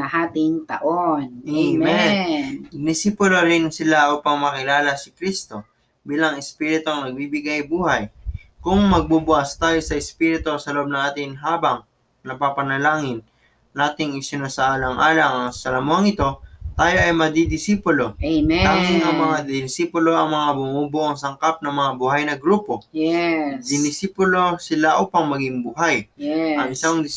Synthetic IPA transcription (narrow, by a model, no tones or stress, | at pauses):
ɐhaːt̪ɪŋt̪ɐʔonmɛ | d̪ɪsipoloɾɪnsɪlaʔuːpɐŋmɐkɪlaːlɐsɪkɾist̪o̞ | biːlɐŋɪspiːɾɪt̪oŋnɐɡ̚bibɪɡajbuːhɐj | kʊŋmɐɡ̚bubʊʔɐst̪aːjo̞sɐʔɪspiɾɪt̪o̞sɐloʔob̚nɐŋʔaːt̪ɪŋɦaːbɐŋ | nɐpapɐnɐlaːŋɪn | naːt̪ɪŋɪsɪnosɐʔaːlɐŋʔaːlɐŋɐŋsɐlɐmohɐŋɪt̪o̞t̪aːjo̞ʔɐjmɐd̪id̪ɪsipolo̞laːŋɪŋɐŋmɐŋad̪ɪnsiːpolo̞ʔɐŋmɐŋabʊmuːboʔɐŋsɐŋkap̚nɐŋmɐŋabuːhɐjnɐɡɾuːpo̞jɛd̪ɪnɪsiːpolo̞sɪlaʔupɐŋmɐɡɪŋbuɦajɛɐŋɪsaŋd̪ɪ